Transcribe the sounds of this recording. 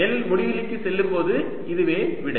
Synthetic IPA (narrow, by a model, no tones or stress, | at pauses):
eːlɪlmɔɽɪʋɪlɪkːɯsɛlːɯmpoːðɯ | ɪðɯʋeːʋɪɽɐɪ